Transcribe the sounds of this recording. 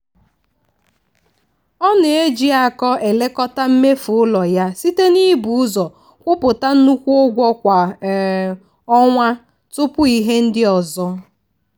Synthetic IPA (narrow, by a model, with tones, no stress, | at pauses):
ɔ˦n˨e˦d͡ʒi˦a˨kɔ˦ʔe˨le˦kɔ˦ta˦m̩˦me˦fʊ˨ʊ˦lɔ˨ja˦si˦te˦ni˦bu˨˦ʊ˦zɔ˨ | kʷʊ˦pʊ˨ta˦n̩˦nu˦kʷu˦o˦ɡʷɔ˦kʷa˨ | ɔ˦ŋʷa˦ | tʊ˦pʊ˦i˦ɦe˦n̩˦dɪ˦ɔ˨zɔ˦